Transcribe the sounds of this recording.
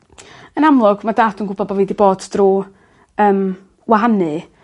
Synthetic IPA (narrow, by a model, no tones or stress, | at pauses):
ənamlˠʊɡ̥madaːtʰunɡʊbɔbɔviːdiboːdd̥ru | əːm | waɦanɨ